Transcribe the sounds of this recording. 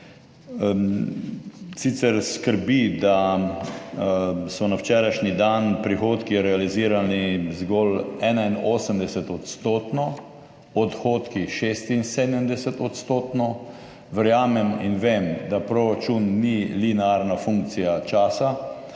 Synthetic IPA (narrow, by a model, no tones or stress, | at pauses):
sit̪sɛɾskəɾbid̪a | sɔnawt͡ʃɛːɾajʃnid̪anpɾixoːt̪kiɾɛaliziːɾanizɡɔlɛːnainoːsəmd̪ɛsɛt̪ɔt̪st̪oːt̪nɔ | ɔt̪xoːt̪kiʃest̪insed̪əmd̪ɛsɛt̪ɔt̪st̪oːt̪nɔ | ʋɛɾjaːmɛminʋemd̪apɾɔɾat͡ʃunːilinaɾnafuŋk̚t̪sijat͡ʃaːsa